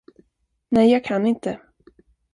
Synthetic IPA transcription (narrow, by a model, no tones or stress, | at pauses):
nɛjjɑːɡ̚kʰanːɪnt̪ə